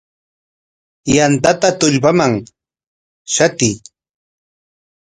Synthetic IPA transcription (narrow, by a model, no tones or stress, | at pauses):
jant̪at̪at̪ʊʎpamaŋ | ʃat̪ɪj